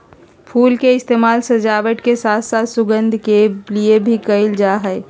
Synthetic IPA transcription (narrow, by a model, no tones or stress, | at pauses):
pʰuːlkeɪst̪eːmaːlsəd͡ʒaʋəʈkesaːt̪ʰsat̪sʊɡənd̪ʱkeliebʱikəɪld͡ʒaɦəɪ